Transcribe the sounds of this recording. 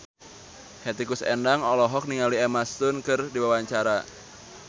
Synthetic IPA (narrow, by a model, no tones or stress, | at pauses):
hɛt̪ikusɛ̰ndaŋɔlɔɦɔk̚niŋaliɛmast̪ʊnkɨrdiwawaɲt͡ʃaɾa